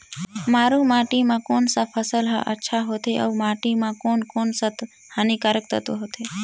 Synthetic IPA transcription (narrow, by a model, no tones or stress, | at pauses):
maːɾũmaːʈimãkoːnsapʰəsəl̰ʔə̰tːʃʰaɦoːt̪eʔə̰ʋmaːʈimãkoːnkoːnsət̪ | hanikaɾək̚t̪ʰət̪oɦot̪ʰe